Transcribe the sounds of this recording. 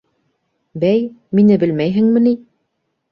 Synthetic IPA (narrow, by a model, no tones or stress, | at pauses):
bæjminɘbɘ̆lmæjɦɘ̆ŋmɘ̆ni